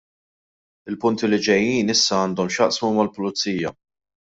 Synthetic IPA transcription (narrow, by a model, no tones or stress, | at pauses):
ɪlpʊnt̪ilɪd͡ʒɛjːiːnɪsːɐɐːnd̪ɔmʃjɐʔsmumɐlpʊlʊt͡sːiːjɐ̰